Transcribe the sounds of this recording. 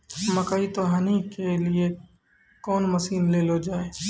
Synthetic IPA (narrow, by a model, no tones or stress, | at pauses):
mɐkaːit̪oɦaːnikelie | kɔːnmɐsiːnleːlod͡ʒaːe